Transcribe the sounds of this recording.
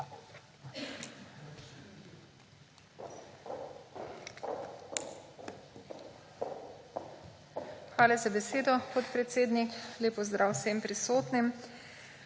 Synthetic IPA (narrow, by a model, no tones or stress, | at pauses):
xʋaːlazabɛseːd̪ɔpɔt̪pɾɛt̪seːd̪nikleːpɔzd̪ɾaːwsempɾisoːt̪nim